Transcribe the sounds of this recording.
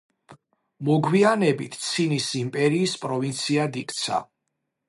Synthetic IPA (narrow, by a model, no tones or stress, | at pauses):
mɔɡwianɛbit̪ʰt̪sʰinisimpʼɛɾiːspʼɾɔvint̪sʰiad̪ikʼt̪sʰa̰